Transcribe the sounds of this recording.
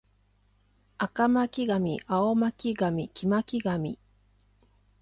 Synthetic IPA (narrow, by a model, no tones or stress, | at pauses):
akamakʲiɡamʲḭʔaomakʲiɡamʲikʲimakʲiɡamʲḭ